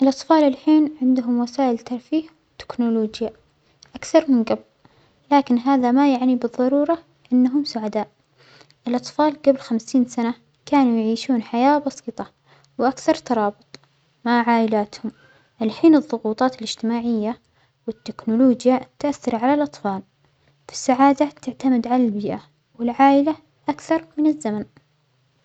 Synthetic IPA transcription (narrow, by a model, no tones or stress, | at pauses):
ʔɪlʔɑt̪ˤfɑːlɪlħiːnʕɪnd̪ʊɦʊmwasaːʔɪlt̪ɑɾˤfiːhwɪt̪ːɪ̥knʊloːd͡ʒja | ʔakθɑɾˤmɪnɡab | laːkɪnɦaːðamajaʕnibɨðˤːɑɾuːɾˤɑ | ʔɪnːaɦʊmsʊʕad̪aːʔ | ʔɪlʔɑt̪ˤfɑːlɡablxamsiːnsana | kaːnujʕiːʃuːnħajaːbɑsiːt̪ˤɑ | wʔakθɑɾˤt̪ɑɾˤɑːbɨt̪ˤ | maʕaːʔɪlaːt̪hʊm | ʔalaħiːnɨðˤːʊɣuːt̪ˤɑːt̪ɪlɪd͡ʒt̪ɪmaːʕɪjːa | wɪt̪ːɪknʊluːd͡ʒjat̪ʔaθːɑɾˤʕalalʔɑt̪ˤfɑːl | fi̥sːaʕaːd̪at̪ɪʕt̪amɪd̪ʕalalbiːʔa | wɪlʕaːʔɪla | ʔakθɑɾˤmɪnɪzːaman